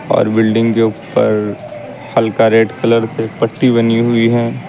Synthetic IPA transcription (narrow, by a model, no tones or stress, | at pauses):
ɔ̰ːɾbɪlɖɪ̃ŋɡkeʊpə̰ɾ | xɐlkaɾeːɖkɐləɾsepɐʈːibɐniɦʊiɦɛː